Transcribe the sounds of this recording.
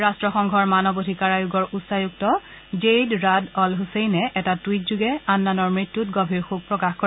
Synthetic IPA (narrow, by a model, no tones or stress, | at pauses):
ɹastɹɔxɔŋɡʱɔɹmanɔbodʱikaɹajuɡɔɹʔutsajuktɔ | d͡ʒejdɹadɔlɦusejnɛʔɛtatwit̚zuɡɛanːanɔɹmɹitːutɡɔbʱiɹxuɡ̚pɹɔkaxko